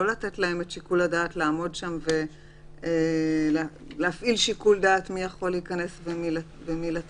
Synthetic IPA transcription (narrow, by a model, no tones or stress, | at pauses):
olate̞tlae̞metʃikuladaːtlaːmo̞dʃamve̞ | el | leafʔilʃikuldaːtmijaχo̞liːkane̞svemil | vemila